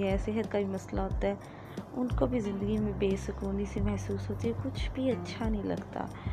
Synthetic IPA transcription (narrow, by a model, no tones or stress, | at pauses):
ɛsɪɦət̪̚kabʱimɐslaɦoːt̪aɦɛː | ʊnkobʱizɪ̃nd̪əɡimẽbeːsəkoːnisimɐhsuːsɦoːt̪iɦɛkʊt͡ʃʰbʱiɐtːʃʰanəɦĩlɐ̰ɡt̪a̰ː